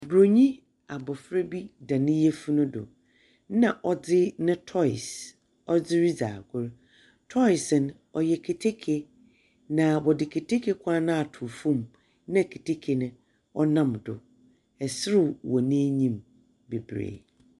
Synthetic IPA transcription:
bɾo˨ɲĩ˦ | a˨bɔ˨fɾe˦bi˦dã˨nɪ̃˦jɛ˦fu˦nʊ̃˦dʊ̰˨ | nã˨ʔɔ˦d͡zɪ˦nɪ̃˦tʰɔ˦ɪ˨s | ɔ˦d͡zɪ˦ɾi˦d͡za̰˨ɡʊ˦ɾ | tʰɔ˦ɪ˨sɪ˨n | ɔ˨jɛ˨kʰe˨tʰe˦kʰe˨ | nã˨bɔ˨dɪ˨kʰe˨tʰe˦kʰe˨kʷʰa˦nã˦a˨tʰu˨fũ˦˨m | nã˦˨kʰe˨tʰe˦kʰe˨nɪ̃˦ | ɔ˦nã˦mdʊ˨ | ɛ˨sɪ˦ɾʊ˦˨wɔ˨nĩ˦ɲĩ˦˨m | be˨bɾḛ˨

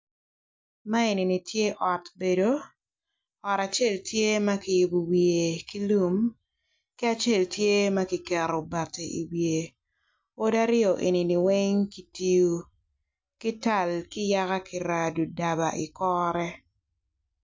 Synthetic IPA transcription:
ma˦e˨ni˨ni˨tje˦ʔɔ˨tbe˨do˦ | ɔ˨ɾa˨t͡ʃe˦˨ltje˦ma˦kɪ˨jʊ˨bo˨wje˨ki˦lu˦m | ki˦a˨t͡ʃe˦˨ltje˦mɐ˦ki˨kɛ˨ɾɔ˨ba˨te˨ʔi˨wje˨ | o˦da˦ɾɪɔ˨ʔe˨ni˨ni˨we˦ŋki˦ti˦ju˦ | ki˦ta˦˨lkɪ˦ja˦ka˦kɪ˨ɾa˨du˨da˨ba˨ʔɪ˨kɔːɾɛ˦

